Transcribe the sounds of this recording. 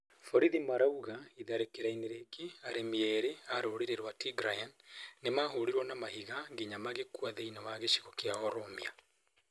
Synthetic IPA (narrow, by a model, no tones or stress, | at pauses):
fɔɾiðimaɾauɣaiðaɾekeɾaineɾeɡeaɾemiɛɾeaɾoɾiɾeɾwatiɡɾajanːemaɦoɾiɾwɔnamahiɣaɡeɲamaɣekwaðeinawaɣeʃi̥ɣokeaɔɾomia